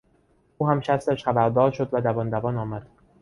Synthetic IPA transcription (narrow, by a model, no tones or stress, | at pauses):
uːhæmʃæst̪æʃχæbæɾd̪ɒːɾʃod̪væd̪ævɒːnd̪ævɒːnɒːmæd̪̥̚